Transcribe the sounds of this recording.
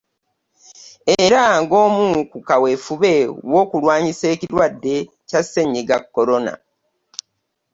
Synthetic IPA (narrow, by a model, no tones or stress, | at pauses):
eɾaŋɡo̞ːmukukawe̞fuβe̞wo̞ːkulwaːɲise̞ːciɾwadːe̞ | case̞ɲːiɡakːo̞ɾo̞na̰